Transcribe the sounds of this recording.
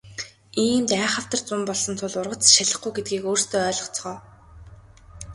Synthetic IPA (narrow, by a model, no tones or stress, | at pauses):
iːmt̪æːχə̆w̥t̪ə̆rt͡sʊmpɔɮsɞ̆nt̪ʰʊɮʊrʁə̆t͡sʃaɮə̆χɡujɡet̪̚ɡiːkoːrst̪ʰoːœːɮɞ̆χt͡sʰʁɔː